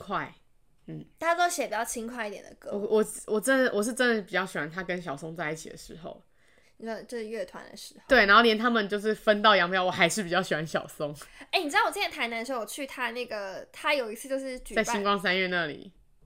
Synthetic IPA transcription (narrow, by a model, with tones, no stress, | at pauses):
kʰwa˥˩ɪ | n̩˥˩t̪ʰa˥o˥ɕjɛ˨˦˩pi˨˩t͡ɕjɑ˥˩ʊt͡ɕʰi˥ŋkʰwa˥˧ɪi˥t̪jɛ̰˨˩nd̪ə˩kɤ˧˦wɔ˨˩wɔ˨˩ʈ͡ʂə˦˥nd̪ə˨˩wɔ˨˩ʂ̬̩˥˩ʈ͡ʂə˦nd̪ə˨˩pi˨˩t͡ɕjɑ˥˩ʊɕi˨˩wa˧˦nt̪ʰa˥kə˦nɕ̬jɑ˨˩ʊso˥ŋt͡sa˥˧ɪi˥˩t͡ɕʰḭ˨d̪ə̰˩ʂɻ̩˧˥˦xo̰˥˧ʊ | ə˥˧˩t͡ɕjo˥˧ʊʂɻ̩˥˩ɥɛ˥˩t̪ʰwa̰˧˦nd̪ə̰˨ʂɻ̩˧˥o˧t̪we˥˩ɪn˨˧˥xo˥˩ljɛ˧˦nt̪ʰa˥mə˨nt͡ɕjo˥˧ʊʂ̬ɻ̩˥˩fə˦˥nt̪ɑ˥˩ʊjɑ˧˥ŋpʰjɑ˥˩ʊwɔ˨˩xa˧˥ɪʂɻ̩˥˩pi˨t͡ɕjɑ˥˩ʊɕi˨˩wa˦nɕjɑ˨˩ʊso˦ŋe˥˩ɪni˨˩˧wjjt̪ʰa˧˥na˧˥n˧ʂ̩˧˥o˥wɔ˨˩t͡ɕʰy˥˩t̪ʰa˥na˥˩ɡə˩t̪ʰa˥jo˨ʊi˧˥t͡sʰsʰɨ˥˧t͡ɕjo˥˧ʂɻ̩˥˩t͡ɕy˨t͡sa˥˩ɪɕi˥ŋkwɑ˥ŋsa˥˦nɥɛ˥˧na˥˨lḭ˨˩˦